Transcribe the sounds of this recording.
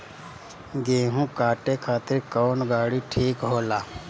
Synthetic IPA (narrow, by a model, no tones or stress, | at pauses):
ɡeːɦũkaːʈekʰaːt̪ɪɾkoːnɡaːɽiʈʰiːkɦoːlaː